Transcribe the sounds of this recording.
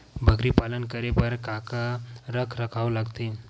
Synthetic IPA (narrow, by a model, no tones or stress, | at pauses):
bʱəɡɾiːpalənkəɾepəɾkakaɾəkʰɾəkʰaʋlaɡt̪e